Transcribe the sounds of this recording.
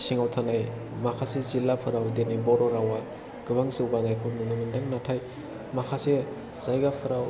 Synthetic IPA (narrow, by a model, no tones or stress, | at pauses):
siŋawtʰanaj | makʰasezilːapʰɯɾawdenajbɔɾɔɾawa | ɡ̥ɯbaŋzɯwbanajkʰɯwnunɯmindaŋnatʰaj | makʰase | z̥ajɡapʰɯɾaw